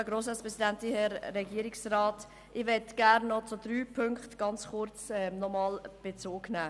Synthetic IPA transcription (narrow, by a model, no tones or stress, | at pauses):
ɛɡɾoːs̬ɑspɾɛsidæntihɛɾːɛɡiəɾɪksraːt | ʔɪʋɛtɡ̥æɾnːɔt͡sʊd̥̪ɾyːpʰʏŋkχtɡ̥ɑnt͡sχʊɾt͡sɛmnɔmɑːlb̥et͡soːɡnæː